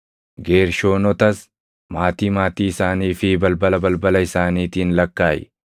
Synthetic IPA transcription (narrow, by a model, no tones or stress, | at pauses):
ɡeːɾʃo̞ːnɔt̪ɐs | maːt̪iːmaːt̪iːɪsaːniːfɪbɐlbɐlɐbɐlbɐlɐɪsaːniːt̪iːnlɐkːaːjɛ̰